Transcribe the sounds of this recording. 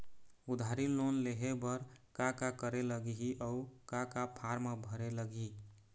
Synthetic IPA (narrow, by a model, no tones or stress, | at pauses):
ud̪ʱaɾilonleɦebəɾkakakəɾeləɡiɦiʔɔukakapʰaɾmebʱəɾeləɡi